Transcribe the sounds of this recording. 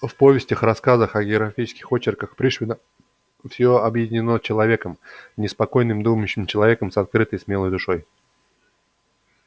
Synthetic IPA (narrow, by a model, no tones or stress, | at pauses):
fpo̞vʲɪsʲtʲəxrɐskazəxɐɡʲɪɐɡɾɐfʲit͡ʃɪ̥skʲɪxo̞t͡ɕɪrkəxpɾʲiʂvʲɪnə | fsʲoɐbjɪdʲɪnʲɪno̞t͡ɕɪlˠɐvʲe̞kəmnʲɪspɐko̞jnɨmd̪uməjʉɕːɪmt͡ɕɪlˠɐvʲe̞kəmsɐt̪̚kɾɨt̪əjsmʲelˠəjd̪ʊʂo̞j